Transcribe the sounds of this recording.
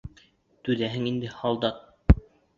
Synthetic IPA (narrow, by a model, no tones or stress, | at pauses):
t̪ʉðæɦɘŋind̪ɘhɑlˠd̪ɑq̪̚